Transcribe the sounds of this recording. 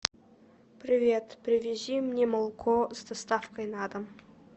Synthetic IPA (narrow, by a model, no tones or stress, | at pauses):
pɾʲɪvʲe̞t̪pɾʲɪvʲezimnʲeməlˠkʰozd̪ɐst̪ɑfkəjnɑd̪əm